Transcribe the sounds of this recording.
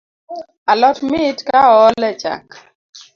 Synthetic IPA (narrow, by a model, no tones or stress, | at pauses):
alɔtmɪtkaɔlɛt͡ʃa̰k